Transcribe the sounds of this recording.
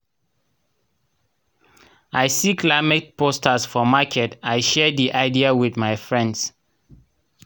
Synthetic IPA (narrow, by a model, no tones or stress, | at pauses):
ajsikʰlaɪmɛt̚pʰostʰəsfɔmakʰɛtajʃɛdiʔaɪdiawiθmajfɹɛ̃nds